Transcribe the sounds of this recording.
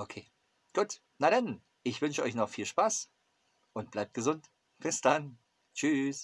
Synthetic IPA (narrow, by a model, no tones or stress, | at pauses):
ʔokʰeː | ɡ̥uːt | naɾan | ʔɪçv̥ʏnʃəʔɔʏçnɔχfiːlʃpaːs | ʔʊnt̚b̥laɪp̚t̚ɡ̥əzʊnt | b̥ɪsd̥an | t͡ʃyːs